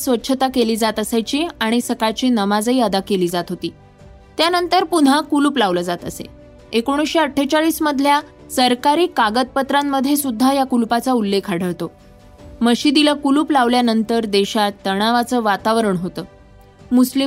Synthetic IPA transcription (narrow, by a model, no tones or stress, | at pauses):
sʋətːɕʰət̪akeliːd͡zat̪əsajt͡ɕiːaɽ̃isəkajt͡ɕiːnəmad͡zəiːəd̪akeliːd͡zat̪ɦot̪iː | t̪janənt̪əɾpuɽ̤ɦakuluːplaʋləd͡zat̪ə̰sḛ | ekoɽ̃uɕeəʈʰːet͡ɕaɭiːsməd̪ʱlja | səɾkaɾiːkaɡət̪̚pət̪ɾamːəd̪ʱːjesud̪ʱːajakulpat͡saulːekʰaɽ̤ʱəɭt̪o | məɕiːd̪iləkuluːplaʋljanənt̪əɾd̪eɕat̪ːəɽ̃aʋat͡səːʋat̪aʋɾəɳɦot̪əː | musli